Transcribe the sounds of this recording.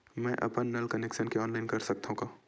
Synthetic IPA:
mɛ̃ːʔɐ̰pənːɐlkɐnɛːkʃənkeɔːnlaːɪnkɐɾsɐk̚t̪aɦũɡaː

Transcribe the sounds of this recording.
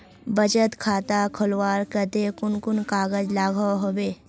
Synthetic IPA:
bəd͡ʒət̪kʰaːt̪akʰʊlwaːɾkət̪ekʊnkʊnkaːɡəd͡ʒlaːɡʱaɦobeː

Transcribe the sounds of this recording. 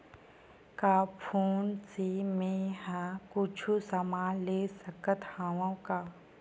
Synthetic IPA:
kaːpʰoːnsimẽɦɛ̃kʊt͡ʃʰusɐmaːlesəkət̪haːʋõkaː

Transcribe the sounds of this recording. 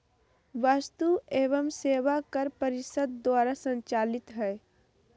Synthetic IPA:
ʋast̪ueːʋəmseːʋakəɾpəɾɪsəd̪ːwaːɾasə̃ɲt͡ʃaːlɪt̪ɦɛ

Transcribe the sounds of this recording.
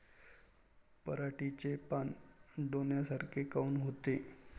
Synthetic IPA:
pəɾaʈit͡ɕepanɖonjasaɾkʰekauːnɦot̪e

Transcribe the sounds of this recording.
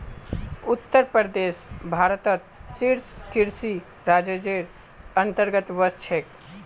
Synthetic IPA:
ut̪ːəɾpəɾd̪eːsbʱaːɾət̪ət̪̚siɾskiɾsi | ɾaːd͡ʒəd͡ʒeɾ | ənt̪əɾɡət̪ʋəɾt͡ʃʰek

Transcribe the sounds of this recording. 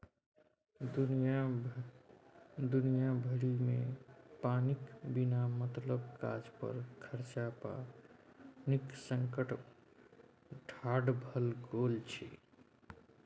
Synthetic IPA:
dja | d̪unijabʱəɽimepanikbinamət̪ləbka̰d͡ʒpə̰ɾkʰəɾt͡ʃapa̰ | niksəŋkəʈ | ʈʰaɽbʱəlɡolt͡ʃʰḭ

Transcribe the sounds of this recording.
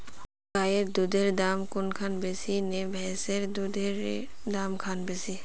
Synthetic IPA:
kajeɾd̪ud̪ʱeɾd̪amkʊnkʰanbesinebʱɛseɾd̪ud̪ʱeɾd̪amkʰanbesi

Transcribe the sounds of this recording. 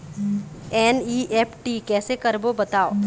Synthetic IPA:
ɛːniːʔɛːpʰʈiːkɛːsekɐɾbobɐt̪aːo̰ː

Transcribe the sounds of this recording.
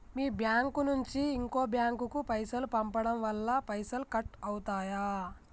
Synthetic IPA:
miːbjaːŋkunuɲt͡ʃiːŋko̞ːbjaːŋkukupɐjsɐlupɐmpɐɽɐmʋɐlːɐpɐjsɐlkɐʈɐwt̪aːjaː

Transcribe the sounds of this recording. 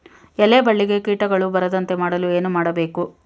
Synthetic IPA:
ɛlːeːbɐɭːiɡe̞kiːʈɐɡɐɭubɐɾɐd̪ɐnt̪e̞maːɽɐlue̞ːnumaːɽɐbe̞ːku

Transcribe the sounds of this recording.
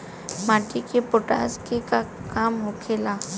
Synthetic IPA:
maːʈikepoʈa̰ːskekakaːmɦokʰeːlaː

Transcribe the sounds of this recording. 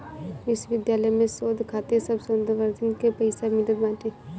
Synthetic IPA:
ʋɪsʋɪd̪jaːləjmẽsoːd̪ʱkʰaːt̪esɐbsənd̪əʋəɾd̪ʱənkepɐɪsamɪləd̪mãːʈe

